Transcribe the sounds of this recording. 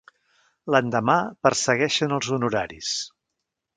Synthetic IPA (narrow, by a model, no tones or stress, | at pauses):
lənd̪əmapərsəɣɛʃənəlˠzunuɾaɾis